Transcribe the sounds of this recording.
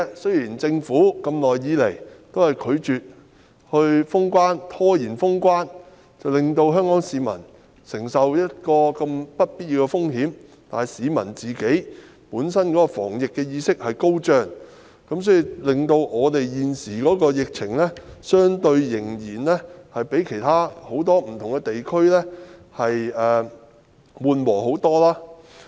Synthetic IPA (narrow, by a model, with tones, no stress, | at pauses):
sɵ˥ɥjiː˨˩nt͡sɪ˧ŋfuː˨˥kɐ˧mlɔː˨˩jːiː˨˧le˨˩jt̪o˥whɐ˨jkʰɵ˨˧ɥt͡ʃyː˨t̚ | hɵ˧ɥfʊ˥ŋkʷwaː˥nt̪ʰɔː˥jiː˨˩nfʊ˥ŋkʷaː˥n | t͡sɐ˨wlɪ˨ŋt̪o˧wɦœː˥ŋkɔː˨˥ŋsiː˨˧mɐ̰˨˩n | sɪ˨˩ŋsɐ˨wjɐ˥t̚kɔː˧kɐ˧mpɐ˥t̚piː˥t̚jiː˧wkɛ˧fʊ˥ŋɦiː˨˥m | t̪aː˨siː˨˧mɐ̰˨˩nt͡siː˨˩ke˨˥j | puː˨˥nsɐ˥nkɔː˨˥kɔː˧fɔ̰ː˨˩ŋjɪ˨kːɛː˧jiː˧sɪ˥k̚hɐ˨jko˥wt͡ʃœː˧ŋ | kɐ˨˥msɔː˨˥ji˨˧lɪ˨ŋt̪o˧wɔː˨˧t̪e˨jjiː˨nsiː˨˩kɔː˨˥kɔː˧jɪ˨k̚t͡sʰɪ˨˩ŋlɛ˥sœː˥ŋt̪ɵ˧ɥjɪ˨˩ŋjiː˨˩nlɛ˥hɐ˨jpe˨˥jkʰe˨˩jt̪ʰaː˥ho˨˥wt̪ɔː˥m̩˨˩t̪ʰʊ˨˩ŋkɛ˧t̪e˨jkʰɵ˥ɥlɛ˥hɐ˨jɛː˨˩ | wuː˨nwɔː˨˩ho˨˥wt̪ɔː˥laː˥